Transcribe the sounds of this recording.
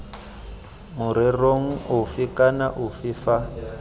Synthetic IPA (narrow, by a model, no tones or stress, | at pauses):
mʊɾɛroŋ̩ʊfikana̰ʔʊfifa